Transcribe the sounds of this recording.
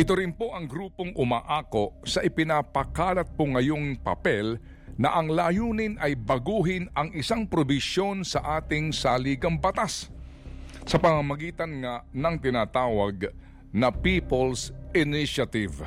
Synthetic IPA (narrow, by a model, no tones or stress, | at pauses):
ʔɪt̪oɾɪnpo̞ʔɐŋɡɾuːpoŋʔʊmaːʔaːko̞ʔsɐʔɪpɪnapɐkaːlɐt̪̚poŋːɐjo̞ŋpɐ̰pɛl | nɐʔɐŋlaːjuːnɪnɐjbɐɡuːɦɪnɐŋʔɪsaŋpɾobɪʃjo̞nsɐʔaːt̪ɪŋsaliːɡɐŋbɐt̪as | sɐpɐmɐmɐɡiːt̪ɐnŋanɐŋt̪ɪnaːt̪aːwɐɡ̚ | nɐpipolsʔɪniʃɐt̪ɪv